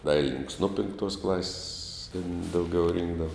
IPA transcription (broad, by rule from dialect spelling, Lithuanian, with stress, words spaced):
ˈdɐɪlʲɪnʲɪnʲɪŋks ˈnuɔ pʲɪŋkˈtuɔs klˠɐsʲsʲ tʲɪn dɐʊˈɡʲɛʊ ˈrʲɪŋɡdɐʋɐ